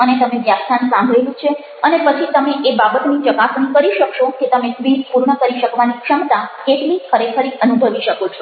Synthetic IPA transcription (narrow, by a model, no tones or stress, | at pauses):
ənet̪əmeʋjabnansãmbʱelũt͡ʃʰe | ənepət͡ʃʰit̪əmeʔebabət̪nit͡ʃəkasnĩkəɾiʃəkʃoket̪əmesʋid͡ʒpuɾɳəkəɾiʃəkʋanikʂəmt̪akeʈlikʰəɾekʰəɾiʔənubʱəʋiʃəkot͡ʃʰo